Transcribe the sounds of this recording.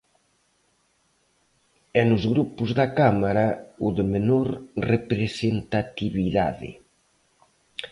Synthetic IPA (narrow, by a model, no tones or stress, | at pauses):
ɛnʊzɣɾupʊzðakamaɾauðemenoɾrepɾesent̪at̪iβiða̰ðɪ̰